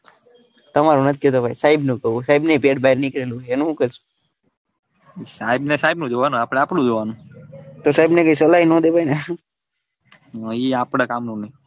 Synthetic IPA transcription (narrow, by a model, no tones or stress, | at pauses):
t̪əmaɾonət̪ʰikot̪obʱaisaɦibnũkəũsaibnepeʈbaiɾnikəɾelũɦeenũɦũkəɾsu̥ | saibnesaɦibnũd͡ʒoʋanũapɽeapɽũd͡ʒoʋanũt̪osaibnekəisəlainɔ̃d̪ebʱajne | əiapɽakamnũnəĩ